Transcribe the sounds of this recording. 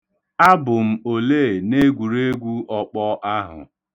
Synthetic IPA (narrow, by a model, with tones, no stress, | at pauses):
a˦bʊ˨m̩˨o˨le˦˨ne˦ɡʷu˨ɾe˦ɡʷu˦ɔ˨k͡pɔ˦ʔa˦ɦʊ̰˨